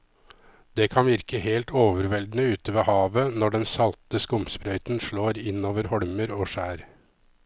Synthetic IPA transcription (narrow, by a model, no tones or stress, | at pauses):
d̪̥ɛkʰɑnʋɪɾkəheːlt̪oːʋəɾʋɛld̪nəʉːt̪əʋeːhɑːʋənɔɖɛnsɑlt̪əskʊmspɾœʏt̪nʂɭoːɾɪnːoːʋəɾhɔɽməɾoːʂæːɾ